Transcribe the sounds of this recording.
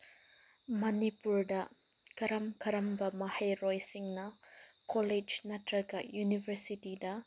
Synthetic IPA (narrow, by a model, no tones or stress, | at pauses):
mɐnipuɾdɐ | kɐɾɐmkʰɐɾɐmbɐmɐhɐjɾojsiŋnɐkoled͡ʒnɐtɾɐɡɐjunibʱɐɾsitidɐ